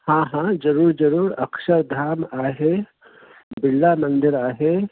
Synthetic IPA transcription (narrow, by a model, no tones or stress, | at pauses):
hãːɦãːd͡ʒɐɾuːɾd͡ʒɐɾuːɾɐ̰kʃəɾd̪ʱaːmaːɦe | bɪlːamɐ̃nd̪ɪɾaːɦe